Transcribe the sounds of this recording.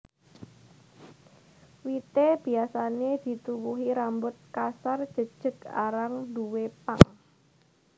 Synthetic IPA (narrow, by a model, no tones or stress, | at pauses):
wit̪eb̥i̤asaned̪̥i̤t̪uwuɦiɾambʊt̪̚kasard̥ʒ̥ə̤d̥ʒ̥ə̤ka̰ɾaŋd̪uwepa̰ŋ